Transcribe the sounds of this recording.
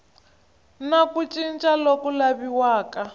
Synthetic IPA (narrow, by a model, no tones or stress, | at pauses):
nakut͡ʃʼint͡ʃʼalokulaβiwaːka